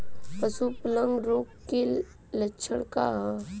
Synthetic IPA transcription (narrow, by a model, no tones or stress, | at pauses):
pəsuplə̃ŋɡɾoːkːe | lɐtːʃʰəɽkaɦ